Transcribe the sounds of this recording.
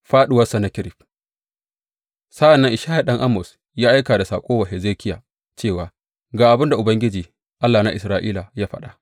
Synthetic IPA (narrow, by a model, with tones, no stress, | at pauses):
ɸaː˦ɗʊ˨wɐ˦sa˨na˦kʲɪ˦ɾɪ˨ɸ̚ | sɐ˦ʔa˨nːɐ˦ŋʔɪ˨ʃaː˦ha˨ɗɐ˦ŋʔa˦mɔ˨s | jaː˦ʔa˦kaː˨da˨saː˨kʷʼoː˦wa˨ɦɛ˨zeː˦kʲɪ˦ja̰ː˨ | t͡ʃeː˦˨waː˨ | ɡaː˨ʔa˨bɪ˦nda˨ʔʊ˨bɐ˦ŋɡʲɪ˦d͡ʒiː˨ | ʔa˦lːaː˨na˦ʔɪ˨sɾaː˦ʔḭː˦la˨jaː˦ɸɐ̰˦ɗa˨